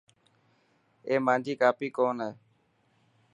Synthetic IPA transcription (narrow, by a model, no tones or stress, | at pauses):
eːmãːd͡ʒʱiːkaːpiːkoːnɦeː